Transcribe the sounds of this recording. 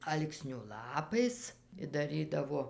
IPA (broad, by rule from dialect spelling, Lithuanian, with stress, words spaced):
ˈɐlˠksʲnʲʊ ˈlˠɑːpɐɪs ɪ dɐˈrʲiːdɐʋoː